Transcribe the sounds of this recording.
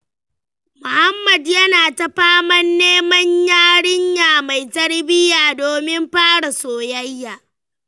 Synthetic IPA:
mʊ˨ha˦mːɐ˨djɐ˦naː˨tɐ˦ɸaː˦mɐ˦nːeː˦mɐ˦ɲjaː˦ɽɪ˦ɲjaː˨ma˨jtɐ˦rbɪ˦jaː˨doː˨mɪ˦mɸaː˦ɽa˨soː˨jɐ˦jːaː˨

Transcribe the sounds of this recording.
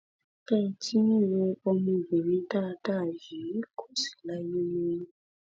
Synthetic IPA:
kɛ˦˨tʰi˦ĩ˦˨je˧o˧mĩ˧i˨be˨ɾĩ˨˦ta˦˧ta˦˨ji˨˦kʰo˦˨si̥˨la˦je˦mĩ˧˦

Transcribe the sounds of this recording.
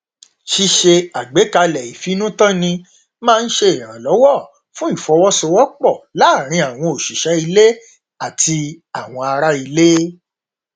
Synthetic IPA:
ʃi˧ʃe˧a˨ɡ͡be˨˦ka˧lɛ˨i˨fi˨˦nũ˦tã˦nĩ˧ | mãː˦˧n̩˦ʃe˧e˨ɾ̃ã˨lɔ˨˦wɔ˦˨ | fũ˦i˦˨fɔ˧˦wɔ˦so˧wɔ˦k͡pɔ˦˨la˦˨ɾ̃ĩ˧a˨w̃ɔ̃˧o˨ʃi˨ʃɛ˨˦i˧le˦ | a˦˨tʰi˧a˨w̃ɔ̃˧a˧ɾa˦i˧le˦

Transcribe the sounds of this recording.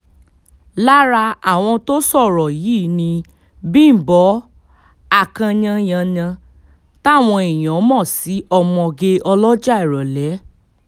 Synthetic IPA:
la˦ɾa˧a˦˨w̃ɔ̃˧to˦sɔ˦˨ɾɔ˨ji˨˦nĩ˧ | bĩ˦˨bɔ˨˦ | a˦˨kã˧ɲã˧j̃ã˧ɲã˧ | ta˦˨w̃ɔ̃˧e˨j̃ɔ̃˨˦mɔ̃˦˨si˨˦ɔ˧mɔ̃˧ɡe˧ɔ˧lɔ˦d͡ʒa˦i˦˨ɾɔ˨lɛ˨˦

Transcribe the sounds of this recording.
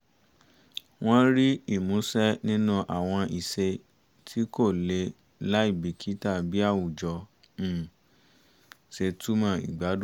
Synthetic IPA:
w̃ɔ̃˦ɾi˦i˦˨mũ˨˦sɛ˦nĩ˦nũ˦ʔa˨w̃ɔ̃˧ʔi˨se˧ | tʰi˦ko˦˨le˧˦ | la˦i˦˨bi˨kʰi˦ta˦˨bi˦a˦˨wu˨d͡ʒɔ̃˨˧˨ | se˧tu˦mã˦˨ḭ˨ɡ͡ba˨˦d

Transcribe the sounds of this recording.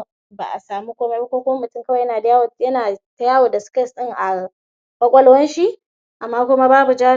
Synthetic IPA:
ba̰˨ʔa˨saː˨mu˦kʷoː˦me˦ba˦kʷoː˦kʷʊ˦ma˦mʊ˨tʊ˦ŋkɐ˦wa˨jɐ˦naː˨da˦ja˦wjɐ˦naː˨ta˦jaː˦wo˨da˨sʊ̥˦kɐ˦˨sɗɪ˦ŋʔa˨ | bɐ˦kʷʼɐ˦lwɐ˦nʃi˦ʔ | ʔa˨mːaː˦kʷʊ˦ma˦baː˦bu˨d͡ʒa˦

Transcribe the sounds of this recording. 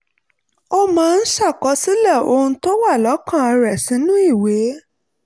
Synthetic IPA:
ɔ˧mãː˦˧n̩˦ʃa˦˨kɔ˨˦si˦lɛ˦˨o˧hũ˧to˦wa˦˨lɔ˨˦kã˦˨a˧ɾɛ˨sĩ˨˦nũ˦i˦˨we˨˦

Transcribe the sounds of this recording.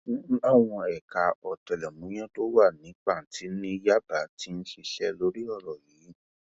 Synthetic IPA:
a˨w̃ɔ̃˧ɛ˨ka˨ɔ˨tɛ˨lɛ˨mũ˨˦j̃ɛ̃˦to˦wa˦˨nĩ˨˦k͡pa˦˨ti˨˦nĩ˦ja˦ba˨˦ti˦n̩˦ʃi˧ʃɛ˧lo˨˦ɾi˦ɔ˦˨ɾɔ˨jiː˨˦

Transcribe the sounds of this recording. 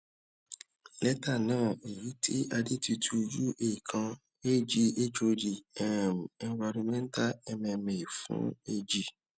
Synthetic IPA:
lɛ˦ta˦˨nãː˦˨i˨ji˨˦tʰi˦ʔa˧di˦ti˧tʰu˧d͡ʒu˦ʔe˦˨i˨kʰã˧ | e˦˨d͡ʒi˧˦e˦d͡ʒo˧d͡ʒi˨ɛ˦˨m˨˧˦va˧ɾũ˧mɛ̃˦n̩˦ta˦ɛ˧mɛ̃˧mẽ˨i˨fṵ̃˦e˧d͡ʒi˦˨

